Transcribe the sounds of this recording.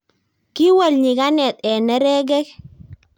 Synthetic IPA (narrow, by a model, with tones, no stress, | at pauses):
ki˦wa˦˨lɲi˨ka˦nɛ˨t̪ɛ˨nɛ˦ɾɛ˦ɡɛ˦k̚